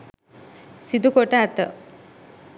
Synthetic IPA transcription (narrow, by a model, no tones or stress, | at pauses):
sid̪ukoʈəæt̪ə̰